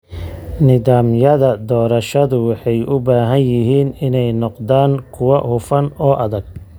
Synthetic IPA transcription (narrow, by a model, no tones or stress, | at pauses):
nɪðaːmjɐðɐd̪ɔːɾɐʃɐðʊwɑħɑjʔʊbaːɦɐnjɪɦiːnɪnɛjnɔqd̪aːŋkʰʊwɐhʊfɐnɔːʔɐðɐɡ̚